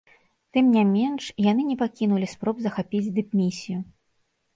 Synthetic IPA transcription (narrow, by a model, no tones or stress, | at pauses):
t̪ɨmnʲamʲɛnʂjanɨnʲɛpakʲinulʲispɾɔbzɐxapʲid͡zʲd̪ɨpmʲisʲiju